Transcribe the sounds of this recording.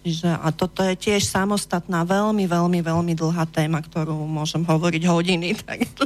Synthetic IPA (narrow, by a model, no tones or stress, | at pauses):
t͡ʃiʒɛʔa̰t̪ɔt̪ɔjɛcɪɛʃsamɔst̪at̪naːʋɛlmiʋɛlmiʋɛlmid̪l̩ˠɦaːt̪ɛːmakt̪ɔɾuːmʊɔʒɛmɦɔʋɔɾiɟɦɔɟinit̪ʰa̰ɡ